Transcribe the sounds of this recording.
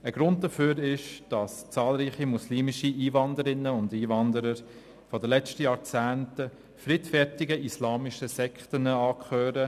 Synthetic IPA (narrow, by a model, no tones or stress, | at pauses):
əɡ̥ɾʊnd̚dəføːɾɪʃd̥ɑst͡sɑːlɾiːχimusliːmɪʃiʔiːvɑndəɾɪnːəʊndiːvɑndəɾəɾ | fɔdəlɛt͡stəjɑːɾt͡sæːntə | fɾitfɛɾtɪɡəʔislɑːmɪʃəsɛkχtənəɑːkʰχøːɾə